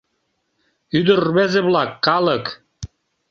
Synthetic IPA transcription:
yd̪ə̆rβezĕβlɑkːɑlək

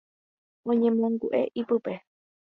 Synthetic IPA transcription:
õɲẽmõŋɡuʔe̞̰ʔipɨpe̞

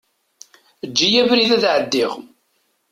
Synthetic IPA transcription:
əd͡ʒːijævɾiðæðʕəd̪ːɪʁ

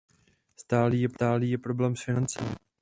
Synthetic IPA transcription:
st̪aːliːjɛpt̪aːliːjɛpɾoblɛːmsfɪnant͡sɛ̰mɪ̰

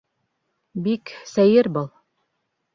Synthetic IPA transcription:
biksæjɘɾbɤlˠ

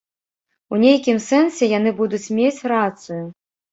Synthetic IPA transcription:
unʲejkʲimsɛnsʲɛjan̪ɨbud̪ut͡sʲmʲet͡sʲrat̪sɨju

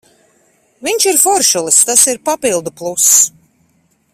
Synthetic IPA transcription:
viɲʲʃiɾfɔɾʃulˠist̪asiɾpapilˠd̪uplˠus

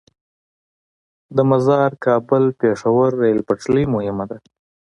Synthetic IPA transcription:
d̪əmazɑɾkʰɑbəlpeʂawaɾːajlpaʈ͡ʂlijmohɪmad̪a

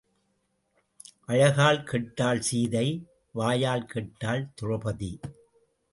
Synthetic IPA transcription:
ʔɐɻɐɣaːlkɛʈːaːlsiːðɐɪ | ʋaːjaːlkʰɛʈːaːlt̪ʊrɐpɐðḭ

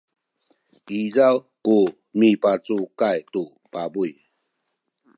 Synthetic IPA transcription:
izaw | ku | mipat͡sukajtu | pabuj

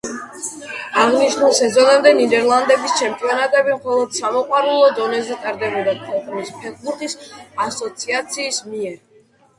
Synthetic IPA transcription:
aʁniʃnulˠsɛzɔnɛmd̪ɛnid̪ɛɾlˠand̪ɛbist͡ʃʰɛmt̪ʼijɔnat̪ʼɛbimχɔlˠɔd̪̥samɔqʼwaɾulˠɔd̪ɔnɛzɛt̪ʼaɾd̪ɛbɔd̪at̪pʰɔlˠχʼulispʰɛkʰbut̪ʰisasɔt̪sʰiat̪sʰiːsmiɛɾ

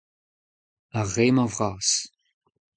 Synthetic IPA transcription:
aʁeːmavʁaːs

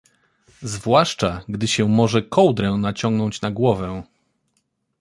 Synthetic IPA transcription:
zvwaʂt͡ʂaɡd̪ɘɕɛmɔʐɛkʰɔwd̪ɾɛwnat͡ɕɔŋɡnɔɲt͡ɕnaɡwɔvɛ

